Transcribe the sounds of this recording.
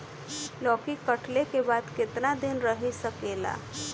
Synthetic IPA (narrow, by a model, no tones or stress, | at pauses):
lɔːkikəʈlekebaːd̪kɪt̪nad̪ɪnɾəɦisəkeːla̰ː